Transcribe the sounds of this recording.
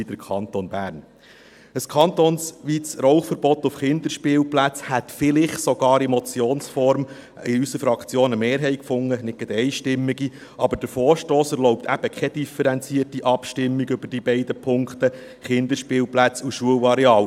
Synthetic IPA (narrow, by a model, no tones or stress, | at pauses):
id̥̪əɾkʰɑnt̪onbæːɾn | əskʰɑnt̪onsʋiːt͡srɔwχfəɾbɔt̪ːʊfχɪnd̪əɾʃpɪːlplæt͡shæt̪fɪlɪχsɔɡ̥ɑːɾɛmɔt͡sjoːnsfɔɾm | ɪysəfɾɑkt͡sjoːnəmeːɾɦɛɪkfʊŋːənɪt̚ɡɛt̪ɛɪʃtɪmːiɡi | ɑbəd̥əɾfɔːɾʃtoːsɛɾlɔʊp̚t̪æb̥əkʰɛd̥̪ifɛɾɛnt͡siətiʔɑpʃtɪmːiɡʏb̥əɾd̥ibɛɪd̪əpʰʊŋkt̪ə | χɪnd̪əʃpɪːlplæt͡suʃuəlɑɾiɑːw